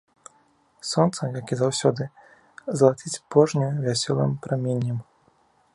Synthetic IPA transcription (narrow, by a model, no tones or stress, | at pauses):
sɔnt̪sɐmjakʲizawsʲɔd̪ɨ | zlˠat͡sʲit͡sʲpɔʐnʲɛvʲasʲɔlˠɨ̰mpɾamʲenʲːɐm